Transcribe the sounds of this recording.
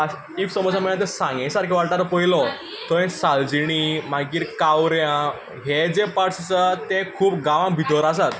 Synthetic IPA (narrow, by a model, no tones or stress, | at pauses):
a | iksəmɔd͡zʱamənãt̪̬ɛ̃sãŋɡãjsaɾkĩʋaɽʈaɾpəjlɔ | t̪ɔɛ̃sald͡ʑiɽ̃im̤aɡiːɾkawɾjã | ɦed͡zepaɽst͡sat̪ẽkʰuːpɡãʋãbʱit̪ɔɾas̬at̪